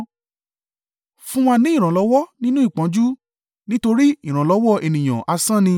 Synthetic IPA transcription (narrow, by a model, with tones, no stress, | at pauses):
fũ˦wa˧nĩ˨˦i˦˨ɾ̃ã˨lɔ˨˦wɔ˦nĩ˦nũ˦i˦˨k͡pã˨˦d͡ʒu˦ | nĩ˦to˧ɾi˦i˦˨ɾ̃ã˨lɔ˨˦wɔ˦˨e˨nĩ˨j̃ã̰˨ʔa˧sã˦nĩ˧